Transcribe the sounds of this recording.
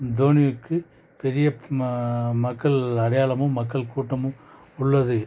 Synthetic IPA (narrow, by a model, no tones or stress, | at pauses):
d̪oːnɪjɯkːɯ | pɛɾɪjɐ | mɐkːɐɭɐɽɐjaːlɐmɯ̃mɐkːɐɭkuːʈːɐmɯ̃ | ʊɭːɐðɯ